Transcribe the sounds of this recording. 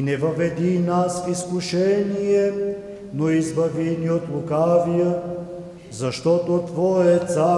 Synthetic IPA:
nɛvɐvɛd̪inasfiskuʃɛnijɛ | noizbɐviniot̪lˠukavijə | zɐʃt̪ɔt̪ot̪vɔjɛt̪sa

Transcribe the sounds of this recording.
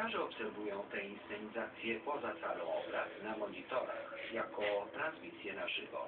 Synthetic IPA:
aʐɛɔpsɛɾvujɔ̃w̃t̪ɛinst̪ɛɲizat̪sʲjɛpɔzat̪sa̰lɔ̃w̃ɔbɾa̰t̪namɔɲit̪ɔɾa̰xjakɔt̪ɾãnsmʲisʲjɛnaʐɘvɔ̰

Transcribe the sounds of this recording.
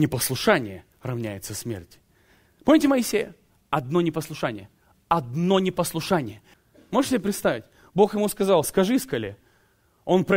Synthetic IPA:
nʲɪpəslˠʊʂanʲɪ̰jə | rɐvnʲæjɪt̪səsmʲḛrtʲ | po̞mnʲɪtʲɪməɪsʲejə | ɐd̪no̞nʲɪpəslˠʊʂanʲɪ̰jə | ɐd̪no̞nʲɪpəslˠʊʂanʲɪjə | moʐɨʂsʲɪbʲepɾʲɪt̪st̪avʲɪtʲ | bo̞xjɪmuskɐzɑlˠskɐʐɨskɐlʲe | o̞npɾɐ

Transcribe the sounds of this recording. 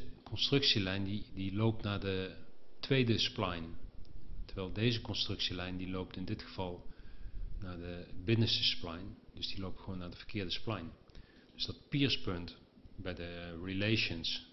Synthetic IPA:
kɔnstrɵksilɛjndidilowp̚tnaːɹdətʋejdəsplajn | tɛɹʋɛjlˠdejzəkɔnstrɵksilɛjndilowp̚tɪndɪtχəv̥ɑlˠ | naːdəbɪnəstəsplɑjnd̥ɵsdilowp̚tχəʋownaːdəvəɹkɪːɹdəsplɑjn | d̥ɵsd̥ɑt̚piːɹspøntbɛjdəɹilejʃəns

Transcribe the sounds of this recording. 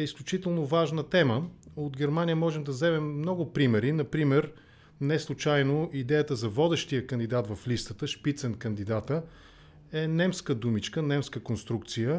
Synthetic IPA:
ɛisklʲʊt͡ʃit̪ɛlˠnovaʒnət̪ɛməod̪ɡɛɾmanijəmɔʒɛmd̪ɐzɛmɛmːnɔɡʊpɾimɛɾinɐpɾimɛɾ | nɛslˠʊt͡ʃajnoʔid̪ɛjət̪əzɐvɔd̪ɛʃt̪ijəkənd̪id̪at̪vɐflist̪ət̪əʃpit̪sɛnkənd̪id̪at̪ə | ɛnɛmskəd̪umit͡ʃkənɛmskəkonst̪ɾuk̚t̪sijə

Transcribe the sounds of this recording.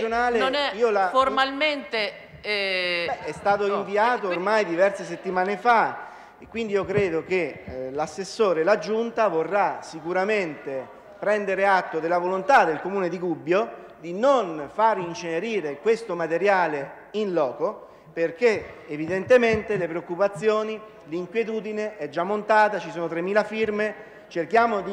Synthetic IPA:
onaːleniːolaformalment̪e | bɛɛst̪aːt̪oiɱviaːt̪oːrmajd̪ivɛrses̬et̪ːimaːnefa | ekwind̪iiːokɾeːd̪ok̟elasːesːoːɾelad͡ʒunt̪avorːasikuɾament̪e | pɾɛnd̪eɾeat̪ːod̪elavolont̪ad̪elkomuːned̪ikubːjo | d̪inonfaɾint͡ʃeneɾiːɾekwest̪omat̪eɾjaːle | inlɔːko | perk̟eevid̪ent̪ement̪elepɾeokːupat̪sːjoːni | liŋkwjet̪uːd̪ineʔɛd͡ʒːamːont̪aːt̪at͡ʃisoːnot̪ɾemːiːlafirme | t͡ʃerk̟jaːmod̪i

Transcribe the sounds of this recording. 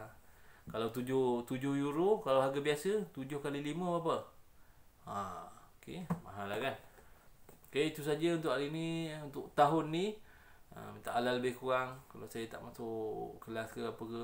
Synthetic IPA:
kalawt̪ud͡ʒʊht̪ud͡ʒʊhjuɾokalawɦaɡəbiasət̪ud͡ʒʊhkaliliməap̬ə | aokemaɦalakan | kait̪us̬ad͡ʒəunt̪ʊʔaɾiniunt̪ʊʔt̪aɦʊnːi | ə̰mit̪aʔːlaləbɪhkuɾaŋkalawsajət̪a̰ʔmasoʔkəlaskəapəkə

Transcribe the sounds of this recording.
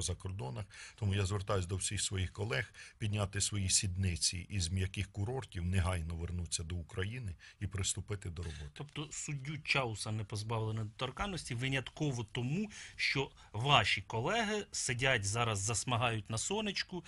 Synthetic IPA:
zɐkɔrd̪ɔnɐxt̪ɔmujazʋert̪ɑjʊs̬ʲd̪ɔwsʲixsʋɔjixkɔlˠɛxpʲid̪ʲnʲat̪ɪsʋɔjisʲid̪nɪt͡sʲḭʔizmjɐkɪxkʊɾɔrtʲiwneɦɑjnɔʋernut͡sʲːɐd̪ɔukɾɐjinɪipɾɪst̪ʊpɪt̪ɪd̪ɔɾɔbɔt̪ɪɔpt̪ɔsʊdʲːut͡ʃɑʊsɐnɛpɔzbɑʋlˠenɛd̪ɔt̪ɐrkɑnːɔsʲtʲiʋɪnʲɐt̪kɔʋɔt̪ɔmuʃt͡ʃɔ | ʋɑʃikɔlˠɛɦɪsedʲatʲzɑɾɐzːɐsmɐɦɑjʊtʲnɐsɔnɪt͡ʃkʊ

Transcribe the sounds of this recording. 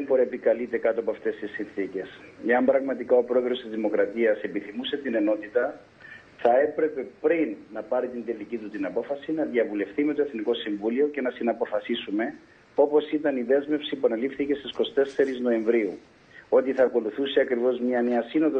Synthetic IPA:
emboɾepikɐlit̪e̞kɐt̪oɐpoɐft̪e̞st̪isːinθice̞s | e̞ɐmbɾɐɣmɐt̪ikao̞pɾo̞eðɾo̞st̪izðimo̞kɾɐt̪iɐse̞piθimuse̞t̪ine̞no̞t̪it̪ɐ | θɐe̞pɾe̞pe̞pɾinːɐpɐɾit̪ind̪e̞licit̪ut̪inɐpo̞fɐsinɐðjɐvule̞fθime̞t̪o̞e̞θniko̞siɱvulio̞ce̞nɐsinɐpo̞fɐsisume̞ | o̞po̞sit̪ɐniðe̞zme̞fsipuɐnelifθice̞st̪isko̞st̪e̞se̞ɾizno̞e̞ɱvɾiu | o̞t̪iθɐːko̞luθuseɐkɾivo̞zmɲɐneɐsino̞ðo

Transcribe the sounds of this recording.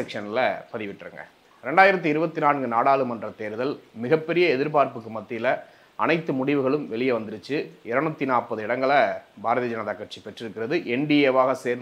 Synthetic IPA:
ɐkʂɐnɪlɐpɐðɪʋɪʈːrɯ̰ŋɡɐ̰ | ɾɛɳɖaːjɪɾɐt̪̬ːɯɪɾɯbɐt̪ːinaːnɡɯnaːɽaːlɯmɐndrɐt̪eːɾðɐlmɪɣɐpːɛɾɪjɐɛðɪɾpaːɾpɯkːɯmɐt̪ːɪlɐ | ʔɐnɐɪt̪ːɯmʊɽɪʋɯɣɐɭɯmʋɛɭɪjɐʋɐnd̪ɯɾɯt͡ʃːɯɪɾɐɳɐt̪ːinaːpɐðɯɪɽɐŋɡɐɭɐbʱaːɾɐðɪɐd͡ʒɐnɐðaːkːɐʈ̚t͡ʃipɛʈrɪɾɯkːɪrɐðɯʔɛɳɖieʋaːɣɐseːɾn

